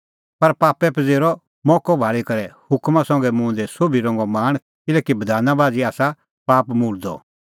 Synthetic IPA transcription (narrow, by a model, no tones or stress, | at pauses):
pɐɾpaːpɛpɐd͡zeːɾɔ | mɔːkɔbʱaːɭikɐɾɛhʊkmãsɔ̃ŋ̆ɡɛmũːnd̪ɛsobʱiɾɔ̃ːŋɡɔmaːɽ̃ | kɪlɛːkibɐd̪ʱaːnabaːd͡ziaːsa | paːpmuːɽd̪ɔ̰